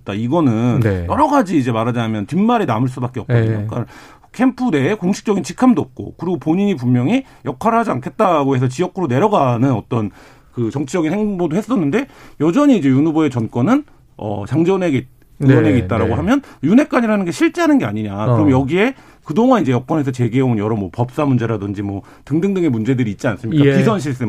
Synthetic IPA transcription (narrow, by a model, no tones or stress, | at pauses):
t̚t͈aiɡʌnɯnjʌɾʌɡad͡ʑiːd͡ʑe̞maɾad͡ʑaamjʌntimːaɾenamɯɭs̬͈ubak͈eʌp̚kodɲok͈a | kʰempʰude̞ːkoŋɕʰi̥k̚t͡ɕ͈ʌɡint͡ɕʰikʰamdoʌp̚k͈o̰kɯɾiɡopoɲiɲip̬ummːjʌŋi | jʌkʰaɾɯɦad͡ʑiankʰe̞t̚t͈aɡohe̞s̬ʰʌt͡ɕiʌkʰɯɾone̞ɾjʌɡanɯnʌt͈ʌn | kɯt͡ɕʌŋt͡ɕʰid͡ʑʌɡinheŋbodohe̞s͈ʌnːɯnde̞jʌd͡ʑʌɲiːd͡ʑe̞junubʌe̞t͡ɕʌnk͈ʌnɯn | ʌ̰t͡ɕaŋd͡ʑʌneɡe | uʌneɡeit̚t͈aɾaɡoɦamjʌnjune̞k͈aɲiɾanɯnɡe̞ɕʰiɭt͡ɕ͈eɦanɯnɡe̞aɲiɲakɯɯɾʌmjʌɡie̞ | kɯdoŋanid͡ʑe̞jʌk͈ʌnɦe̞s̬ʰʌt͡ɕe̞ɡieonjʌɾʌmwʌpʌp̚s͈amund͡ʑe̞ɾadɯnd͡ʑimwʌ | tɯŋdɯŋdɯŋe̞mund͡ʑe̞dɯɾiːt̚t͡ɕ͈ians͈ɯmɲikkakisʰʌnɕ̬ʰiɭs͈ɯ